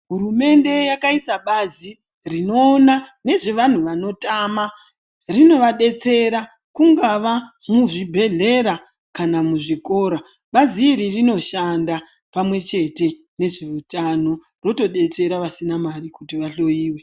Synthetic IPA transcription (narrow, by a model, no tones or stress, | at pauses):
ɦuɾume̞nde̞jakaisaɓazi | rino̞ːnane̞ʐe̞ʋan̤uʋano̞tama | rino̞ʋaɗe̞t͡se̞ɾa | kuŋɡaʋa | muʐibʱe̞ɮe̞ɾa | kanamuʐiko̞ːɾa | ɓaziːɾirino̞ʃanda | pamwe̞t͡ʃe̞te̞ | ne̞ʐe̞utano̞ | ro̞to̞ɗe̞t͡se̞ɾaʋasinamarikutiʋaɬo̞jiːwe